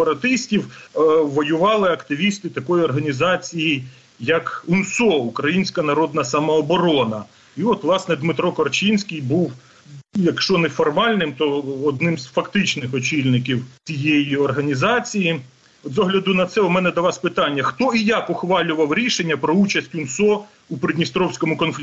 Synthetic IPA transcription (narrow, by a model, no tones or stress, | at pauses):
pɐɾɐt̪ɪsʲtʲiwʋɔjʊʋɑlˠɪɐkt̪ɪʋʲist̪ɪt̪ɐkɔjɔrɦɐnʲizɑt͡sʲijij | jɐkʊnsɔukɾɐjinʲsʲkɐnɐɾɔd̪nɐsɐmɔːbɔɾɔnɐ | iɔt̪ʋlˠɑsnɛd̪mɪt̪ɾɔkɔrt͡ʃinʲsʲkʲijbuw | jɐkʃɔnɛfɔrmɑlʲnɪmt̪ɔːd̪nɪmz̥fɐkt̪ɪt͡ʃnɪxɔt͡ʃʲilʲnɪk̬ʲiwt͡sʲijejiɔrɦɐnʲizɑt͡sʲiji | ɔd̪zɔɦlʲɐd̪ʊnɐt̪sɛʊmɛnɛd̪ɐʋɑsʲpɪt̪ɑnʲːɐxt̪ɔijɑkʊxʋɑlʲʊʋɐwɾʲiʃenʲːɐpɾɔut͡ʃɐsʲtʲʊnsɔ | upɾɪd̪ʲnʲist̪ɾɔwsʲkɔmʊkɔnflʲ